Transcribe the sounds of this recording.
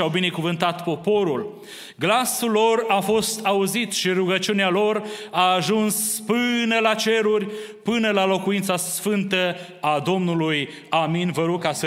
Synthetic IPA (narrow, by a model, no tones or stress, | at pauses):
awbine̞kuvɨnt̪at̪po̞po̞ɾul | ɡlasulːo̞rafo̞st̪ʰauzit̪ʃiɾuɡət͡ʃiunealo̞raːʒunspɨnəlat͡ʃe̞ɾurʲpɨnəlalo̞kuint̪sasfɨnt̪ə | ad̪o̞mnuluj | aminvəɾukasə